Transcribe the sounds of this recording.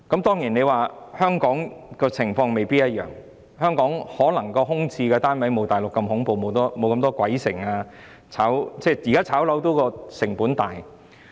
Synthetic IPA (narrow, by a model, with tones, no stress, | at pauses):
kɐ˨˥mt̪ɔː˥ŋjiː˨˩ne˨˧jwaː˨hœː˥ŋkɔː˨˥ŋkɔː˧t͡sʰɪ˨˩ŋfɔː˧ŋme˨jpiː˥t̚jɐ˥t̚jœ̰ː˨˩ŋ | hœː˥ŋkɔː˨˥ŋhɔː˨˥lɐ˨˩ŋkɔː˧ɦʊ˥ŋt͡sʰiː˧kɛː˧t̪aː˥nwɐ˨˥jmo˨˧wt̪aː˨˩jlʊ˨kːɐ˧mɦʊ˨˥ŋpo˨wmo˨˧wt̪ɔː˥mo˨˧wkɐ˧mt̪ɔː˥kʷwɐ˨˥jsɪ˨˩ŋaː˧ | t͡sʰaː˨˥wt͡sɛː˥jiː˨˩kaː˥t͡sʰaː˨˥wlɐ˨˥wt̪̬o˨˥wkɔː˧sɪ˨˩ŋpuː˨˥nt̪aː˨j